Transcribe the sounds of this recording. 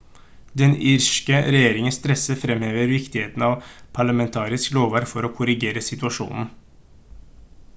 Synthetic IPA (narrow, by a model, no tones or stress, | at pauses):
d̪ɛnɪɾʂkəɾɛjeːɾɪŋənst̪ɾɛsəfɾɛmheːʋəɾʋɪkt̪ɪheːt̪n̩ɑʋpʰɑɭɑmɛnt̪ʰɑːɾɪskloːʋɑɾfɔɾoːkʰʊɾɪɡeːɾəsɪt̪ʉɑʂṵːnn̩